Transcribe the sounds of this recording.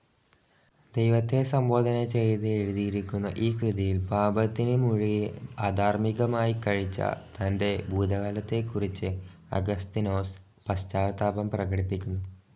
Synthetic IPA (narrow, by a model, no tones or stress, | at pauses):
d̪ejʋɐt̪ːe̞sɐmbo̞ːd̪ʱɐnɐt͡ɕe̞jt̪ɨeɻuðijiɾikʲːunːɐʔiːkrɨðiɐjilpaːbɐt̪ːinɨmuɻiaːd̪ʱaːrmiɣɐmaːjikɐɻit͡ɕːɐ̰t̪ɐnde̞buːd̪ʱɐɣɐlɐt̪ːe̞kːurit͡ɕːɨ | ɐ̰ɡɐst̪ino̞ːs | pɐstaːt̪aːbɐmprɐɣɐɽipːikʲːunːu